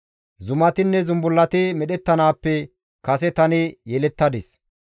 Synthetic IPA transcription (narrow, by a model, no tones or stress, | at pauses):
zʊmɐt̪ɪnːɛzʊmbʊlːɐt̪ɪmɛɗɛt̪ːɐnaːpːɛ | kɐsɛt̪ɐnɪjɛlɛt̪ːɐd̪ɪs